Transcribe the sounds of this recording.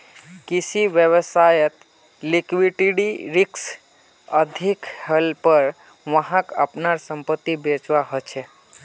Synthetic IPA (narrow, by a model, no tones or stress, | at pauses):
kisiʋjəʋəsajət̪ | likʋiʈiɽiɾiks | əd̪ʱikhəlpəɾ | ʋəɦãkə̰pnaɾsəmpət̪ːibet͡ʃʋaɦɔt͡ʃʰe